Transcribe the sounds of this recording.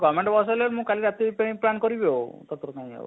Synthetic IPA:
ɡɔmeɳʈbɔs̬aleɾmũkaliɾat̪ipeĩplankɔɾibeot̪ɔt̪ɾɔkaĩḛo̰

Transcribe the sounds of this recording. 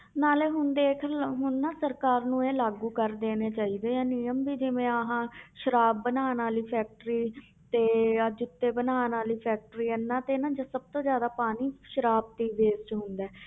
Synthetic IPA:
naːleːɦʊnd̪eːkʰɦʊnːãːsəɾkaːɾnũːeːlaːɡuːkəɾd̪eːneːt͡ʃaːiːd̪eːɛːnijəmbiːd͡ʒɪʋẽːəɦãːʃəɾaːb̚ːənaːnaːliːpʰɛːk̚ʈəɾiː | t̪eːəd͡ʒɪt̪ːeːbənaːnaːliːpʰɛːk̚ʈɾiːənːãːt̪eːnãːd͡ʒaːsəb̚t̪õːd͡ʒjaːd̪aːpaːniːʃəɾaːb̚t̪iːʋeːst͡ʃɦʊ̃nd̪ɛː

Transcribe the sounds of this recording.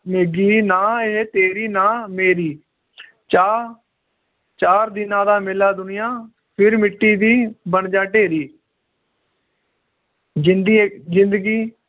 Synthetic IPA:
meːɡiːnãːet̪eːɾiːnaːmeːɾiː | t͡ʃaː | t͡ʃaːɾd̪ɪnãːd̪aːmɪlaːd̪ʊnɪjãː | pʰɪɾmɪʈːiːd̪iːbəɳd͡ʒaːʈeːɾiː | d͡ʒɪnd̪d͡ʒɪnd̪əɡiː

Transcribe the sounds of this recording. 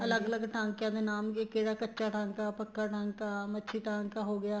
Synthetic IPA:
ɐləɡələɡʈãːŋkjãːd̪enaːmkekeːɽaːkətːʃaːʈʰãːŋkaːpəkːaːʈʰãːŋkamətːʃʰiːʈãːŋkaɦoɡɪjaː

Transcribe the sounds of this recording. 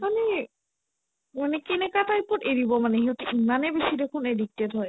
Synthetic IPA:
manɛ | manɛkɛnɛkataipɔteɹibɔmanɛɦiɔtuimanɛbesidekʰʊnedik̚tetɦɔj

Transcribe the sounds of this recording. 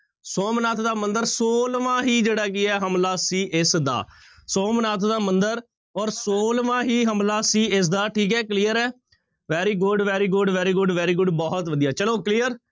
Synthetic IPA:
soːmnaːt̪ʰd̪aːmənd̪əɾsoːlʋãːɦiːd͡ʒeːɽaːk̬ɪɛːɦəmlaːsiːʔɪsd̪a̰ː | soːmnaːt̪ʰd̪aːmənd̪əɾ | ɔːɾsoːlʋãːɦiːɦəmlaːsiːɪs̬d̪aːʈʰiːkɛːkliːəɾɛː | ʋɛːɾiːɡʊɖʋɛːɾiːɡʊɖʋɛːɾiːɡʊɖʋɛːɾiːɡʊɖbɔːt̪ʋəd̪ijaːt͡ʃəloːklijəɾ

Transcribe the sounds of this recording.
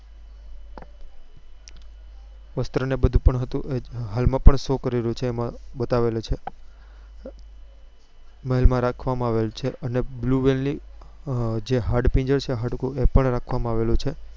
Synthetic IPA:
ʋəst̪ɾənebəd̪ʱũpəɳɦət̪ũʔeɦalmãpəɳsokəɾiɾəjũt͡ʃʰeːmãbət̪aʋelot͡ʃʰe | məɦilmãɾakʰʋamãaʋelt͡ʃʰeʔənebluʋelni | d͡ʒeɦaɖpĩɲd͡ʒəɾt͡ʃʰeɦaɖukũepəɳɾakʰʋamãaʋelũt͡ʃʰe

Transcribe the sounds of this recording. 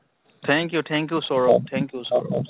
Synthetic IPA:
t̪ʰɛ̃ŋkjut̪ʰɛ̃ŋkjusɔɾot̪ʰɛ̃ŋkjusɔ̰ɾo̰

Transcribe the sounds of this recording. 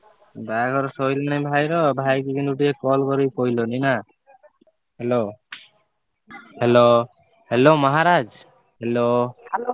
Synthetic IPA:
baɡʱɔɾɔsɔjlañibʱajɾɔbʱajkikinuʈiekɔlkɔɾikojlonina | helo | helo | helomɔɦaɾad͡ʒ | helo

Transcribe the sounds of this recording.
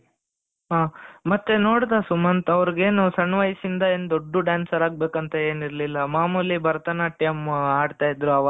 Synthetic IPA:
ɦaːmɐt̪ːenoːɽd̪aːsumɐnt̪ɐʋɐɾiɡe̞ːnusɐnːʋɐjsind̪ɐeːnd̪oɖːuɖjaːnsɐɾaːɡ̚be̞ːkɐnt̪ɐe̞ːniɾlilːɐmaːmulibɐɾɐt̪ɐnɐʈɐjmaːɖt̪aːjid̪ɾuɐʋa

